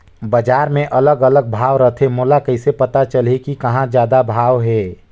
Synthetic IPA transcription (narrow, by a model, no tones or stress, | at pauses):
bəd͡ʒaːɾmẽʔɐləɡələɡ̚bʱaːʋɾəɦt̪ʰemoːlakəɪsepɐt̪at͡ʃəlekikɐɦãd͡ʒjaːd̪abʱaːʋɦɛː